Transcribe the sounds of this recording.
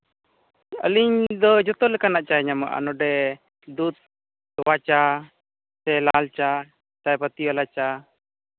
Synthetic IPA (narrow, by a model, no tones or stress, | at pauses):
ə̰liɲd̪ɔd͡ʒɔt̪ɔlɛkanaʔt͡ʃaɛɲama̰ʔa̰nɔɖɛ | d̪ut̪̚ | wat͡ʃa | sɛlalt͡ʃa | t̪ajpat̪iwalat͡ʃa